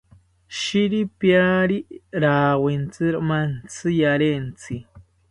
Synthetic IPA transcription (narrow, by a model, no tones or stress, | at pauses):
ʃiɾipjaɾiɾaːwent͡sɨɾmant͡sɨjaɾent͡si